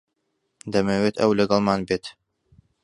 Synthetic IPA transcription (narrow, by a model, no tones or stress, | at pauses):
d̪ɐmewet̪ʰɐ̰wlɐɡɐlˠmaːnbeːt̪